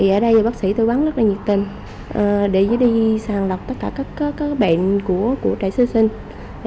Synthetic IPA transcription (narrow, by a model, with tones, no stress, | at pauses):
i˨˩ʔəː˧˩ɗə˧jaː˨˩ɓaː˦˥k̚sḭ˧˩t̪o˧waː˨˦nzə˦˥t̚laː˨˩ɲi˨˩t̪i˨˩n | ʔəː˨˩ɗe˧˩zəː˨˦ɗi˧saː˨˩ŋlə˨˩wk͡p̚t̪ə˦˥t̚kaː˧˩kaː˦˥kːkaː˨˦˥ɓa̰˧˨nku˧˩əku˧˩ət͡ɕa̰ː˧˨jsɨ˧si˧ŋ̟